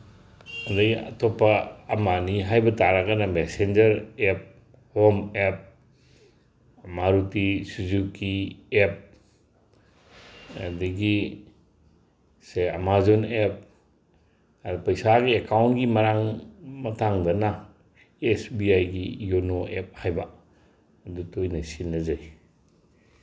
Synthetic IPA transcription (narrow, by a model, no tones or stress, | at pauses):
andajɐ̰tʰopːɐːmaniɦajbɐtaɾakɐnɐmesend͡ʒɐɾep̚ | homep̚ | maɾutisuzukiep̚ | diɡi | sea̰mazonep̚ | pɐjsaɡiekawntɡimɐɾaŋmɐtʰaŋdɐna | esbiajɡijonoʔep̚hajbaː | dutojnasinɐzaj